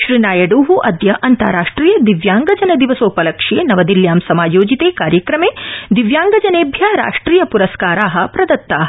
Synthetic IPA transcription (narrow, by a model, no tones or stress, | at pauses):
ʃɾinaːjɐɖuːɦuʔɐd̪jɐʔɐnt̪a̰ːɾaːʂʈɾiːjɐd̪iʋjaːŋɡɐd͡ʒɐnɐd̪iʋɐsoːpɐlɐkʂeːnɐʋɐd̪iljaːmsɐmaːjoːd͡ʒit̪eːkaːɾjɐkɾɐmeːd̪iʋjaːŋɡɐd͡ʒɐneːbʱjaːɾa̰ːʂʈɾiːjɐpuɾɐskaːɾaːɦɐ̆pɾɐd̪ɐt̪ːaːɦɐ